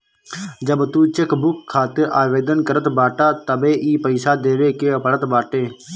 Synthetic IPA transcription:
d͡ʒəbt̪uːt͡ʃɪkbʊkʰːaːt̪ɪɾaːʋeːd̪ənkəɾət̪baːʈaːt̪əbeːʔiːpəɪsaːd̪eːʋeːkeːəpəɽət̪baːʈeː

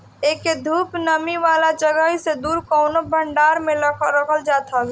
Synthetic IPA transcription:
eːked̪ʱuːpnəmiʋaːlad͡ʒəɡəɦised̪uːɾkɔʊnobʱəɳɖaːɾmẽɾəkʰəld͡ʒaːt̪ɦəl

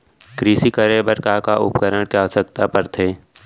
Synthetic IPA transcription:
kɾiːsikəɾebəɾkakaʔʊ̰pkəɾəɽ̃kaːəsək̚t̪apəɾt̪ʰeː

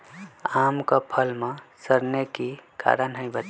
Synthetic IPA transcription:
amkəpʰəlmãsəɾnekika̰ɾənɦəɪ̃bʱət̪

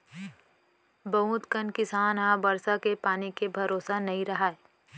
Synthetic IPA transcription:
bɐ̃ɦũːt̪kənkɪsaːnɦãbɐɾsakepaːnikebʱɐɾoːsanɐɦĩɾɐɦaːe

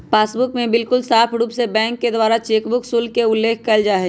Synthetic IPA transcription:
paːsbʊkmẽbɪlkʊlsaːpʰɾuːpsebɛ̃ːŋkːed̪waːɾat͡ʃeːkbʊksulkeʊlːeːkʰkəld͡ʒaːɦɛ

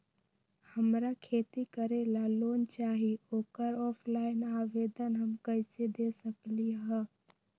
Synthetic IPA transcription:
həmɾakʰeːt̪ikəɾelaloːnt͡ʃaːɦioːkəɾɔːpʰlaːɪnaːʋeːd̪ənɦəmkəɪsed̪eːsəkliɦɛ̃ː

